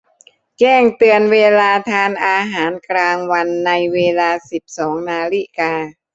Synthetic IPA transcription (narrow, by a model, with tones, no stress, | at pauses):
kɛː˥˩ŋt̪ɯ˧ənweː˧laː˧t̪ʰaː˧nʔaː˧ɦaː˩˦nklaː˧ŋwa˧nːa˧jweː˧laː˧si˨˩p̚sɔː˩˦ŋnaː˧li˦˥˩kaː˧